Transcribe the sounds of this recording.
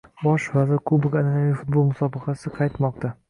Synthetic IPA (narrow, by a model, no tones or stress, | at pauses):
bɒʃvazɪɾkʰʊbɪkʲananaijfʊt̪̚bolˠmʊsɒbɑqɑsɪqʰɑjt̪mɒq̚t̪a